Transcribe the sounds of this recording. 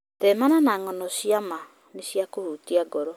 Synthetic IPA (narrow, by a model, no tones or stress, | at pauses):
tɛmananaŋɔnɔɕiama | neɕjakoɾutiaɡɔɾɔ